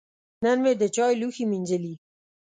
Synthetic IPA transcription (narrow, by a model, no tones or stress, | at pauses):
nanwed̪ət͡ʃɑjluximinʲd͡ʒəli